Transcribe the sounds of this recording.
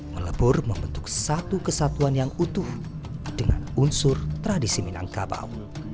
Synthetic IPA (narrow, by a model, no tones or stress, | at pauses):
mələbʊrməmbənt̪ʊk̚sat̪ukəsat̪uanjaŋut̪ʊh | d̥əŋa̰nunsʊrt̪ɾadisimina̰ŋkaba̰w